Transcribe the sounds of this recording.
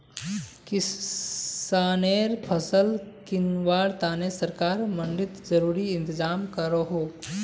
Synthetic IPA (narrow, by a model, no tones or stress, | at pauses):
kɪ | aːneːɾpʰəsəlkɪnʋaːɽt̪aːnesəɾkaːɾmɐnɖɪt̪zəɾuːɾiɪ̃nt̪ɪzaːmkəɾoɦoː